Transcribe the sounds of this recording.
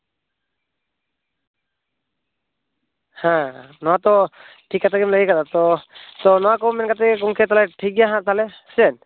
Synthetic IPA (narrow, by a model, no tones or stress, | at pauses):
hãnɔwat̪ɔ | ʈʰikːat̪aɡɛmləɡɛkat̪at̪ɔt̪ɔnɔwakɔmɛnkat̪ɛkɛk̬uŋkʰɛt̪alɛʈʰik̚ɡɛjaɦãʔt̪alɛ | sɛn